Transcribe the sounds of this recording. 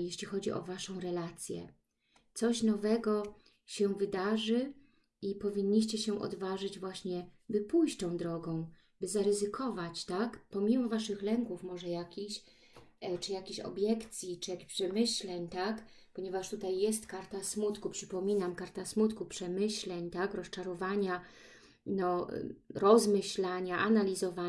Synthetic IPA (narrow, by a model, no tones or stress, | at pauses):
jeɕlʲixɔd͡ʑiʔɔ̰vaʂɔ̃w̃ɾɛlat̪sʲjɛ̰ | t̪sɔɕnɔvɛɡɔ | ɕɛvɘd̪aʐɘ | ipɔvʲiɲːiɕt͡ɕɛɕɛʔɔ̰d̪vaʐɘd͡ʑvwaɕɲɛbɘpujɕt͡ɕt̪ɔ̃w̃d̪ɾɔɡɔ̃w̃ | bɘzaɾɘzɘkʰɔvat͡ɕt̪akpɔmʲimɔvaʂɘxlɛŋkufmɔʐɛjakʲiɕ | t͡ʂɘjakʲeɕɔ̰bʲjɛkt̪sʲjit͡ʂɘjakʲe̥ɕpʂɛmɘɕlɛɲt̪ak | pɔɲɛvaʂt̪ut̪ajːɛst̪kaɾt̪asmut̪kupʂɘpɔmʲinamkaɾt̪asmut̪kupʂɛmɘɕlɛɲt̪akɾɔst͡ʂaɾɔvaɲa | nɔ̰ɾɔzmɘɕlaɲaʔanalʲizɔva